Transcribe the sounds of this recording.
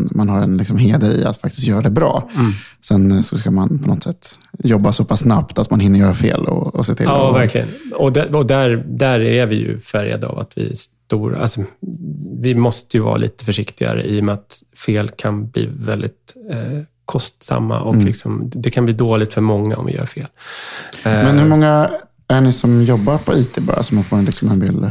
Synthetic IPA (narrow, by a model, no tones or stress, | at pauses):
manhaɾɛnlɪksɔmɦeːd̪əɾɪa̰t̪fak̚t̪ɪ̥sk̪jœːɾad̪ɛbɾɑ̰ː | sɛnsɔskamanpʰɔnɔt̪sɛt̪ːjɔbːasɔpʰasːnapt̪at̪manhɪnːəɾjœːɾafḛːlɔ̰ɔsɛt̪ʰɪ̰ɑːvæɾkʰlɪɡə̰nɔd̪æɔd̪æɾd̪æɾæɾvɪjɵ̰fæɾja̰d̪əa̰vat̪vɪ̰st̪uːɾa̰lsɔ | vɪmɔst̪əjɵvɑ̰ːɾalḭːt̪ə̥fœʂɪkt̪ɪɡa̰ɾə̰ʔiːɔmɛat̪feːlkʰanblḭːvɛld̪ɪt̪̚ | kʰɔst̪sa̰mːa̰ʔɔklɪksɔmd̪ɛkʰanbliːd̪oːlɪɡt̪fœɾmɔŋːaɔ̰mvɪ̰jœ̰ːɾfeːl | mɛnhɵɾmɔŋːa | æɳɪsɔmjɔbːaɾpʰɔiːt̪ʰebɑ̰ːɾasɔmafoːɾɛnlɪksɔmɛnvɪl